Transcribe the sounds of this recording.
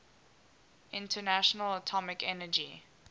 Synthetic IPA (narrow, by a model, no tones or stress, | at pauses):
ʔɪ̃ntʰənaʃənələtʰɔmɪkɛnəd͡ʒi